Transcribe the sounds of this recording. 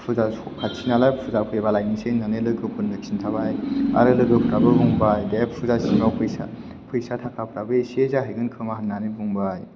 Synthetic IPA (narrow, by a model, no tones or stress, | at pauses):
pʰuza | kʰat͡ʃʰinalajpʰuzapʰɯbalajnisenanelɯɡɯpʰunːɯksintʰaβaja̰ɾɯlɯɡɯpʰɾabɯbuŋbajdeppʰuzasinɔpʰɯjsa̰ | pʰɯjsatʰakʰapʰɾabɯsiezaɦajɡɯnkʰɯmaɦannanibuŋbaj